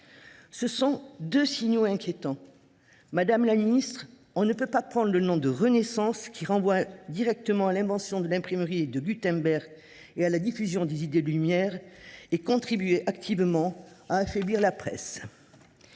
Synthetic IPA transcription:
səsɔ̃d̪øsiɲoɛ̃kʲjet̪ɑ̃ | mad̪amlaminist̪χ | ɔ̃nəpøpapχɑ̃d̪ʁlənɔ̃d̪əʁənesɑ̃skʲiʁɑ̃vwad̪iʁɛk̚t̪əmɑ̃alɛ̃vɑ̃sjɔ̃d̪əlɛ̃pχiməʁid̪əɡʲyt̪ɛ̃bɛʁɡ | ealad̪ifyzjɔ̃d̪ezid̪ed̪əlymjɛʁekɔ̃t̪χibyeʔakt̪ʰivmɑ̃aːfɛbliʁlapχɛ̰s

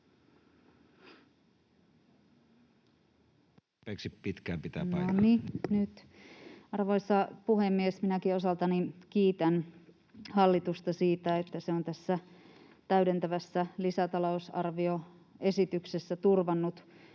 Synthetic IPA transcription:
peksippit̪kæːmpit̪æ̰ːnoninyt̪ | ɑrʋoisːɑpuhemːiesminækiosɑlt̪ɑninkiːt̪æn | hɑlːit̪ust̪ɑsiːt̪æet̪ːæseont̪æsːæ | t̪æydent̪æʋæsːælisæt̪ɑlousɑ̰rʋio | e̞sit̪yksesːæt̪urʋɑnːut̪

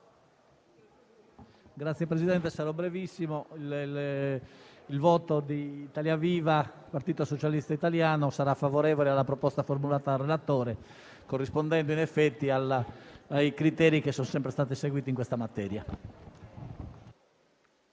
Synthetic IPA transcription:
ɡɾat̪sjɛpɾezid̪ɛnt̪esaɾɔbɾevisːimo | lvɔːt̪od̪iːt̪aljaviːva | part̪iːt̪osot͡ʃalist̪ait̪aljaːnosaɾafavoɾɛːvolealːapɾɔpɔst̪aformulaːt̪ad̪arːelat̪ɔːɾɛ | korːispond̪ɛnd̪oinɛfːɛt̪ːialaajkɾit̪ɛːɾikesːɔnsɛmpɾest̪aːt̪̬iseɡwiːt̪iŋkwest̪amat̪ɛːɾja

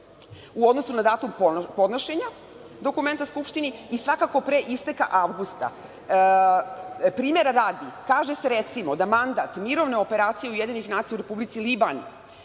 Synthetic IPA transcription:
uo̞d̪no̞sunad̪aːt̪umppo̞d̪noʃe̞ɲa | d̪o̞kume̞nt̪askupʃt̪iniisʋakako̞pɾeʔist̪eka̰ʔaʋɡust̪a̰ | pɾiːme̞ɾaɾaːd̪ikaːʒese̞ɾet̪simo̞d̪amand̪at̪miɾo̞ʋne̞o̞pe̞ɾaːt̪sije̞ujed̪iɲixnaːt̪sijauɾe̞publit̪silibanḭ

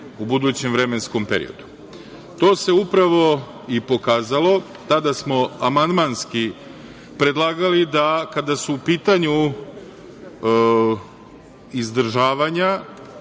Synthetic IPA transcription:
ubud̪uːt͡ɕe̞mʋɾe̞mensko̞mpe̞ɾḭo̞̰d̪u̥ | t̪o̞ːse̞upɾaʋo̞ | ipo̞kaːzalo̞ | t̪ad̪asmo̞amand̪manski | pɾe̞d̪lˠaːɡalid̪akad̪asuːpiːt̪aɲu | izd̪ɾ̩ʒaːʋaɲa

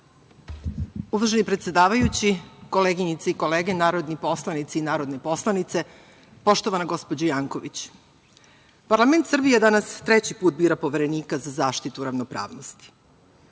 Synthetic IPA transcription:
uʋarʒenipɾet̪sʲe̞d̪aːʋajut͡ɕiko̞leɡiɲit̪seiko̞leːɡenaːɾo̞d̪nipo̞slˠanit̪seinaːɾo̞d̪nepo̞slˠanit̪se̞ | po̞ʃt̪o̞ʋanaɡo̞spo̞d͡ʑojaːŋkoʋit͡ɕ | paɾlˠament̪sr̩bijed̪anast̪ɾet͡ɕipuːt̪̚biːɾapo̞ʋe̞ɾe̞niːkazazaːʃt̪it̪uɾaʋnopɾa̰ːʋnost̪i̥

